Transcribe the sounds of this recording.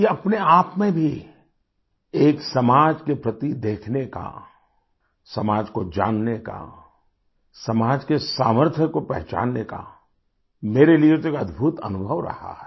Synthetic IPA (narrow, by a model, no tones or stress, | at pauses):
jeɐpneaːpmẽbʱi | eːksɐmaːd͡ʒkepɾɐt̪id̪eːkʰneka̰ | sɐmaːd͡ʒkod͡ʒa̰ːnːeka̰ | sɐmaːd͡ʒkesaːməɾt̪ʰjəkopɛɦt͡ʃa̰ːnːeka̰ | meːɾeliet̪oekɐd̪ʱbʱut̪ɐ̰nʊbʱəʋɾɐ̰ha̰ɦɛ